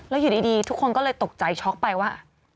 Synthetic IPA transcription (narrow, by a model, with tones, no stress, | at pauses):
lɛː˦˥wjuː˨˩diː˧diː˧t̪ʰu˦˥kʰːo˧nkɔ˥˩lɤː˧jt̪o˨˩k̚t͡ɕa˧jt͡ɕʰɔ˦˥k̚pa˧jwaː˥˩